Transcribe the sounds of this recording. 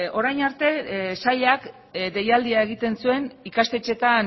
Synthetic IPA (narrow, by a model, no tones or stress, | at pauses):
o̞ɾajnaɾt̪e̞saʎak | d̪e̞jald̪iae̞ɣ̞it̪e̞nsue̞nikast̪e̞t͡ʃe̞t̪an